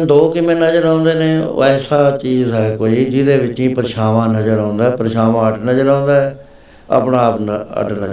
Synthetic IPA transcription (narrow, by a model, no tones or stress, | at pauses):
d̪oːkɪmẽːnəd͡ʒəɾãːnd̪eːnḛ̃ːo̰ːɛːsaːt͡ʃiːzɦɛːkoːiːd͡ʒɪd̪eːʋɪt͡ʃĩːpəɾɪʃaːʋãːnəd͡ʒəɾãːnd̪aːɛpəɾɪʃaːʋãːəʈnəd͡ʒəɾãːnd̪aːɛ | a̰pnaːpnə̰ʈnə